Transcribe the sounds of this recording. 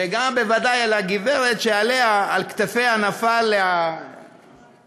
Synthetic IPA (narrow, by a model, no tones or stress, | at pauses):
eɡambe̞vad̪ajalaɡiveʁet̪ʃealeaːlkt̪afe̞janafalːea